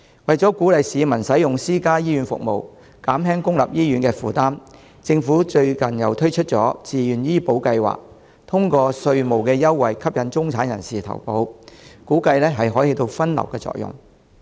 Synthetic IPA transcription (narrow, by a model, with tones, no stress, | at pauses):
wɐ˨jt͡sɔː˨˥kuː˨˥lɐ˨jsiː˨˧mɐ˨˩nsɐ˨˥jjʊ˨ŋsiː˥kaː˥jiː˥ɥyː˨˥nfʊ̰˨k̚mo˨w | kaː˨˥mɦɛː˥ŋkʊ˥ŋlɐ̰˨p̚jiː˥jyː˨˥nkɛː˧fuː˨˩t̪aː˥m | t͡sɪ˧ŋfuː˨˥t͡ʃɵ˧ɥkɐ˨˩njɐ˨wt̪ʰɵ˥ɥt͡ʃʰɵ˥t̚t͡sɔː˨˥t͡siː˨˩jyː˨njiː˥po˨˥wkɐ˧jwa̰ː˨k̚ | t̪ʰʊ˥ŋkɔː˧sɵ˧ɥmo˨˩wkɛː˧jɐ˥wːɐ˨jkʰɐ˥p̚jɐ˨˥nt͡sʊ˥ŋt͡sʰaː˨˥njɐ̰˨˩nsiː˨t̪ʰɐ̰˨˩wpo˨˧˥wkuː˨˥kɐ˧jlɛː˥ɦɐ˨jɦɔː˨˥jhi˧t̪o˧wfɐ˥nlɐ̰˨˩wkɛː˧t͡sɔ̰ː˧k̚jʊ̰˨˩ŋ